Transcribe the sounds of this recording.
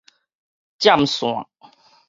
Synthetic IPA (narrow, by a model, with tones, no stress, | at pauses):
t͡ɕja˥˨msw̃a̰˨